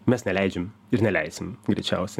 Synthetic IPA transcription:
mʲɛsnʲɛlʲæɪd͡ʒʲɛm | ɪɾnʲɛlʲɛɪsʲɪmɡɾʲḭt͡ʃʲɛ̰ʊsʲɛ

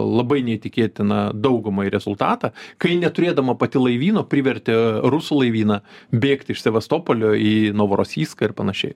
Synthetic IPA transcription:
lˠɐbɐɪnʲɛit̪ʲɪkʲeːt̪ʲɪnɐd̪ɐʊɡʊmɐːjiɾʲɛzʊlˠt̪ɑːt̪ɑkɐɪnʲɛt̪ʊɾʲeːd̪ɐmɐpɐt̪ʲɪlˠɐɪʋʲiːnoːpʲɾʲɪʋʲɛɾʲt̪ʲɪɾʊsulˠɐɪʋʲiːnɐbʲeːkt̪ʲɪʃsʲɛʋʲɐst̪oːpolʲoːiːnoːʋoɾoːsʲiːskɐɪrpɐnɐʃʲɛ̰ɪ

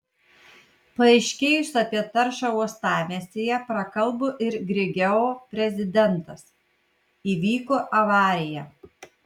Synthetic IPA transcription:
pɐɐɪʃʲkʲeːjʊsɐpʲiɛt̪ɐɾʃɐuɔst̪ɑːmʲeːsʲejɛpɾɐkɐlˠˑboʔɪɾɡɾʲɪɡʲɛoːpʲɾʲɛzʲɪd̪ʲɛnˑt̪ɐs | iːʋʲiːkoːʔɐʋɑːɾʲɪjɛ

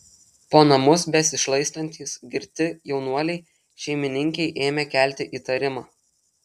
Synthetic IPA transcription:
poːnɐmʊsbʲɛsʲɪʃlˠɐɪst̪ɐnʲt̪ʲiːsɡʲɪɾʲt̪ʲɪjɛʊnuɔlʲɛɪ | ʃʲɛɪmʲɪnʲɪŋʲkʲɛɪʔeːmʲɛkʲæˑlʲt̪ʲɪʔiːt̪ɐɾʲɪmɑː

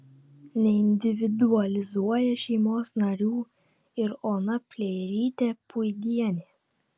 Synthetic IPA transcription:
nʲɛɪnʲd̪ʲɪʋʲɪd̪uɐlʲɪzuɔjɛʃʲɛɪmoːsnɐɾʲuː | ɪɾoːnɐpʲlʲɛɪɾʲiːt̪ʲepʊjɡ̪ʲiɛnʲeː

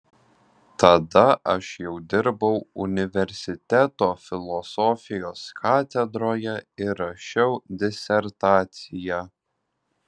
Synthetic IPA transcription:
t̪ɐd̪ɐʔɐʃjɛʊd̪ʲɪɾbɐʊʊnʲɪʋʲɛɾʲsʲɪt̪ʲæt̪oːfʲɪlˠɔsɔfʲɪjoːskʰɑːt̪ʲɛd̪ɾoːjɛɪɾɐʃʲɛʊd̪ʲɪsʲɛɾt̪ɑːt̪sʲɪjæ

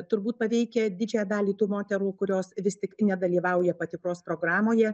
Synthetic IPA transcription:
t̪ʊɾbuːt̪̚pɐʋʲɛɪkʲɛd̪ʲɪd͡ʒʲɛjɛd̪ɑːlʲiːt̪uːmoːt̪ʲɛɾuːkʊɾʲoːsʋʲɪst̪ʲɪknʲɛd̪ɐlʲiːʋɐʊjɛpɐt̪ʲɪkɾoːspɾoːɡɾɑːmoːjɛ

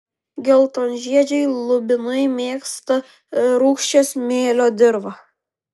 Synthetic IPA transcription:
ɡʲɛlˠt̪onʲʒʲiɛd͡ʒʲɛɪlˠʊbʲɪnɐɪmʲeːkst̪ɐ | ɾuːkʃʲt͡ʃʲesmʲeːlʲoːd̪ʲɪɾʋɐ

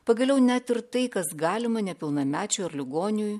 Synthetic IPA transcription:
pɐɡɐlʲɛʊnʲæt̪ɪɾt̪ɐɪkɐsɡɑːlʲɪmɐnʲɛpʲɪlˠnɐmʲæːt͡ʃʲʊːɐɾlʲɪɡoːnʲɪjuːj

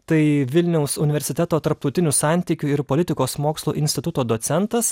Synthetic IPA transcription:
t̪ɐɪʋʲɪlʲnʲɛʊsʊnʲɪʋʲɛɾʲsʲɪt̪ʲɛt̪oːt̪ɐɾp̚t̪ɐʊt̪ʲɪnʲusɑˑnʲt̪ʲiːkʲuɪɾpoːlʲɪt̪ʲɪkoːsmoːkslˠṵːʔɪnʲsʲt̪ʲɪt̪ʊt̪oːd̪oːt̪sʲɛnt̪ɐs

